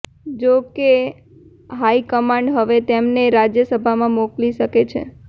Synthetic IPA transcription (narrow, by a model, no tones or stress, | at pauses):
d͡ʒoke | ɦaikəmãɳɖɦəʋet̪emneɾad͡ʒjəsəbʱamãmokliʃəket͡ʃʰḛ